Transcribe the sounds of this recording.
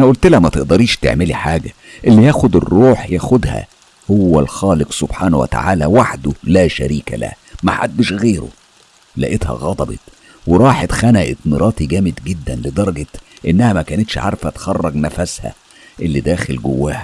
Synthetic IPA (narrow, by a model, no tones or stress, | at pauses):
ʔnæʔult̪læʔmæt̪eʔd̪ɑɾiːʃt̪ḛʕmelḭħaːɡæ | ʔelːijæːxod̪erːuːħjæːxod̪hæ̰ | howːæ̰lxɑːleqsob̥ħaːnwḛt̪a̰ʕaːlæwaħd̪olæːʃæ̰ɾiːkæ̰læ̰hmæħa̰d̪ːeʃɣeːɾo̰ | læ̰ʔet̪hæ̰ɣɑd̪ˤɑbḛt̪ | weɾˤɑːħet̪xænæʔet̪meɾˤʔɑːt̪iɡæːmed̪ɡed̪ːænled̪ɑɾˤɑɡet̪ʔenːæhæmækæːnet̪ʃʕɑ̰ɾˤfæt̪xɑrˤːɑɡnæfæshæ̰ | ʔelːid̪æːxelɡo̰wːæːhæ